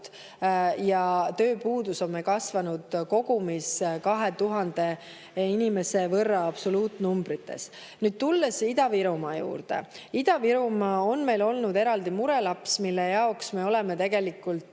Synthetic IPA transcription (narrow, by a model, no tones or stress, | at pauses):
t̪ | jɑt̪ø̞ːpuːd̪uso̞mmekɑsvɑnud̪̥ko̞ɡ̥umiskɑɦe̞t̪uɦɑnd̪e̞ | inime̞se̞vɤrːɑɑb̥so̞luːt̪ˑnumb̥ɾit̪ːe̞̰s | nyːd̪̚t̪ulːesid̪ɑviɾumɑjṵːrd̪̥ḛ | id̪̥ɑviɾumɑonme̞jlo̞lnud̪e̞ɾɑld̪imuɾe̞lɑpsmilːejɑoksme̞o̞leme̞t̪e̞ɡe̞likːˑult̪